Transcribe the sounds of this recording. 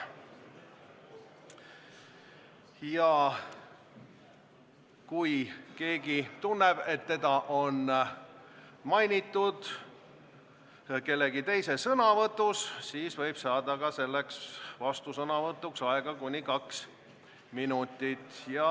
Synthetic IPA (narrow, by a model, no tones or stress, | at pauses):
jɑ | kujke̞ːɡit̪unːeb̥e̞t̪ːe̞d̪ɑʔo̞n | mɑjnʲit̪ːˑud̪̥ | ke̞lːe̞ɡit̪e̞jse̞sɤnɑvɤt̪ːˑusːiːsvɤ̞jb̥sɑːd̪ɑɡ̥ɑse̞lːeksvɑst̪usɤnɑvɤt̪ːˑuksɑɛɡ̥ɑkunʲːikɑks | minut̪ːit̪jɑ